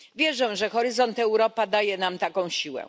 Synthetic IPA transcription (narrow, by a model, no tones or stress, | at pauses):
vʲjɛʐɛw̃ʐɛxɔɾɘzɔnt̪ɛwɾɔpad̪ajɛnamt̪akɔ̃w̃ɕiwɛ̰